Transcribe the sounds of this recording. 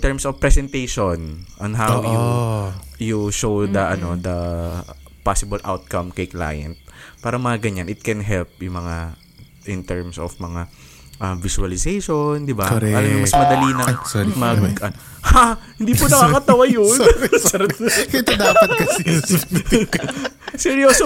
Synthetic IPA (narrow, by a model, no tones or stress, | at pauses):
t̪ɛɹmsofpɾɛsɛnt̪ejʃonʔɐnɦawoʊ | juʃowd̪ɐʔɐnod̪ɐ | pasɪbɐlʔa̰wt̪̚kɐmkɐjkla̰ːjɐ̰̃nt̪̚paːɾɐmɐŋaɡɐɲanʔɪt̪̚kɛnɦɛlp̚jʊŋmɐŋa | ʔɪnt̪ɛɹmso̰fmɐŋa | ʔɐvɪsuɐlɪsejʃond̪ɪbakɾɛɐlɐmjɐmɐsmɐd̪ɐlinɐŋmɐɐn | hahɪnd̪ipʊnɐkaːkɐt̪ɐwajonɛɾt̪kɪt̪od̪aːpɐt̪̚kɐs | sɛɹjoːso